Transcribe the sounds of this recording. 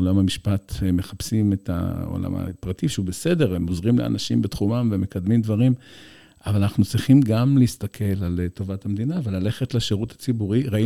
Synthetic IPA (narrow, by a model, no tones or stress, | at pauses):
olamamiʃpateme̞χapsimeta̰o̰la̰ma̰pʁatiʃeubese̞de̞ʁemozʁimlḛa̰naʃimbet̪χumamveme̞kad̪mimd̪vaʁim | avalanaχnut͡sʁiχimɡamleist̪akʰe̞lalto̞vathamd̪inavelale̞χetleʃeʁuthat͡sibuʁiʁai